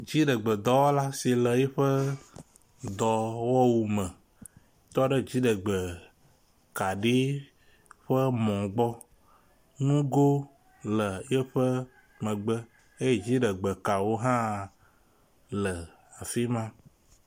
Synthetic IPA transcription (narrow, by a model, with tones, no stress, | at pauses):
d͡ʒi˦ɖə˨ɡ͡bə˨d̪ɔ˨wɔ˦la˦si˨lə˨jɛ˦ɸə˦ | d̪ɔ˨wɔ˦wu˨mə̃˨ | t̪ɔ˦ɖə˦d͡ʑi˦ɖə˨ɡ͡bə˨ | ka˨ɖi˦ | ɸə˦mɔ̃˨ɡ͡bɔ˦ | nũ˦ɡo˦ | lə˨jɛ˦ɸə˦ | mə̃˨ɡ͡bə˦ | e˦je˦d͡ʒi˦ɖə˨ɡ͡bə˨ka˨wo˦ɦã˦ | lə˨ | a˨fi˦mã˦